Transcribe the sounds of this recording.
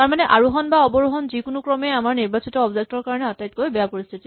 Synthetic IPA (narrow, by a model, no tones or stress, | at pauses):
taɹmanɛʔaɹuɦɔnbaɔbɔɹuɦɔnzikʊnukɹɔmɛamaɹniɹbasitɔɔbzek̚tɔɹkaɹɔnɛatajt̚kojbɛjapoɹist̪ʰiti